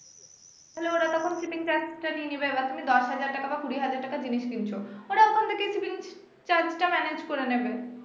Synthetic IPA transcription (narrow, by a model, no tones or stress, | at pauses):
t̪aɦelooɾɔɾɔkʰomsipiŋt͡ɕaɾd͡ʑʈanienibebat̪umid̪ɔʃɦad͡ʑaɾʈakabakuɽiɦad͡ʑaɾʈːakad͡ʑiniʃkint͡ɕʰooɾaɔkʰont̪ʰekesipiŋ | t͡ɕaɾd͡ʑʈamɛned͡ʑkoɾenebe